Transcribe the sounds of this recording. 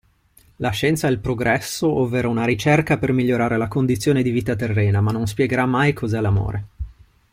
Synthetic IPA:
laʃːɛnt̪saɛlpɾoɡɾɛsːoʔɔvːeːɾaunaɾit͡ʃerkapermiʎːoɾaːɾelakond̪it̪sːjoːned̪iviːt̪at̪erːɛːnamanːons̬pjɛɡeɾamːajkʰozɛlamo̰ːɾe

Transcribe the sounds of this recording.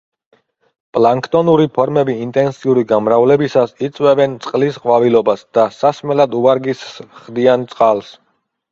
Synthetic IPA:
pʼlaŋkʰt̪ʼɔnuɾipʰɔɾmɛbiːnt̪ʼɛnsiuɾiɡamɾavlɛbisasit̪sʼwɛvɛnt̪sʼqʼlisqʼwavilɔbasd̪̥asasmɛlad̪uaɾɡisχd̪iant̪sʼqʼalˠs

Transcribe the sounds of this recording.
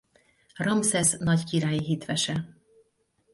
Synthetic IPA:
rɒmsɛsnɒɟkiɾaːjiɦit̪ʋɛʃɛ

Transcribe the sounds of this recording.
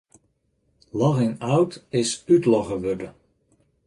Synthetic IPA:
lɑɣɪŋawtɪsytlɔχəʋɵdə

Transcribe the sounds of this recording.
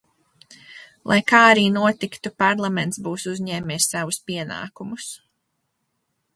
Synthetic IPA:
lˠʔa̰jkaːaɾiːnuɔt̪ikt̪upaɾlˠament̪sbuːsuzɲɛːmeːsːavuspiɛna̰ːkumus

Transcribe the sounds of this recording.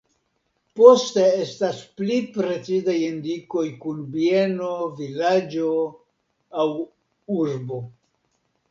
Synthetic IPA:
po̞ste̞e̞stasplipɾe̞t͡sizajindiko̞jkunbienovilad͡ʒo̞ | aw | uɾbo̞

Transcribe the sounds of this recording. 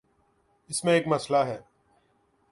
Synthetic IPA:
ɪsmẽeːkmɐslaɦɛː

